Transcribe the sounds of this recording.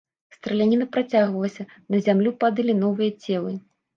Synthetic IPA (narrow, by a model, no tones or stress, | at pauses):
st̪ɾɐlʲanʲinɐpɾat͡sʲaɣvɐlˠɐsʲɐ | nɐzʲamlʲupad̪ɨlʲinɔvɨjɐt͡sʲɛlˠɨ